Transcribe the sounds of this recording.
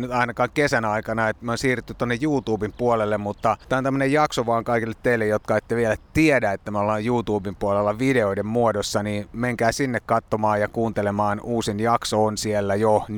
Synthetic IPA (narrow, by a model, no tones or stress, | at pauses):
nyt̪ɑinɑkɑːŋkesænɑikɑnɑet̪monsiːryt̪ːyt̪ːonːejjuːt̪uːbimpuolelːemmut̪ːɑt̪æːont̪æmːø̆nejjɑksoʋɑːŋkɑikilːet̪teilːejjot̪kɑet̪ːeʋielæt̪iedæet̪ːæmolːɑjjuːt̪uːbimpuolelːɑʋideoidemmuodosːɑnimeŋkæːsinːekkɑt̪ːomɑːjɑkuːnt̪elemɑːnuːsinjɑksoːnsielːæjon